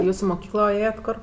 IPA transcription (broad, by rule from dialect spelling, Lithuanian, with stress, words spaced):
ˈjuːs ɪ mʊˈkʲiːklˠoː ˈeːjɛtʲ ˈkoːr